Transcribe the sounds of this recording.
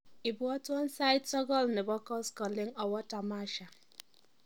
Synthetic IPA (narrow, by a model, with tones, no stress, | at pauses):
i˨bu˦ɔ˦tʊ˦ɔ˦n̩˦sa˦ɪ˦tsɔ˦ɡɔ˦lnɪ˨bɔ˦kɔ˦skɔ˨lɪ˦ŋɔ˨wɔ˦ta˨ma˦ʃa˨